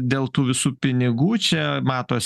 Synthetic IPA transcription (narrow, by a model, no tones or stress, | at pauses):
d̪ʲeːlˠt̪uːʋʲɪsuːpʲɪnʲɪɡuːt͡ʃʲɛmɑːt̪oːs